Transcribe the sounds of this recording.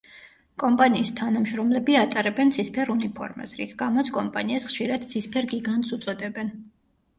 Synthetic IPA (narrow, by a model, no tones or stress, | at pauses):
kʼɔmpʼaniːst̪ʰanamʃɾɔmlɛbiat̪sʼaɾɛbɛnt̪sʰispʰɛɾunipʰɔ̰ɾma̰sɾisɡamɔt̪sʰkʼɔmpʼaniasχʃiɾad̪̥sispʰɛɾɡiɡant̪sut̪sʼɔd̪ɛbɛn